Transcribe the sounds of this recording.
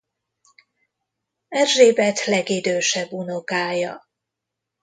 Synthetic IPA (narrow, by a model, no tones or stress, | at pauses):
ɛrʒeːbɛt̪lɛɡid̪øːʃɛbunokaːjɒ